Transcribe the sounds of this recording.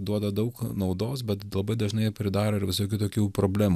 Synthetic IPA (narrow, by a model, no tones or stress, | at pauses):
d̪uɔd̪ɐd̪ɐʊknɒʊd̪oːsbʲɛt̪lˠɐbɐɪd̪ɐʒnɐɪpʲɾʲɪd̪ɑːɾoɪɾʋʲɪsoːkʲut̪oːkʲuːpɾoːbʲlʲæːm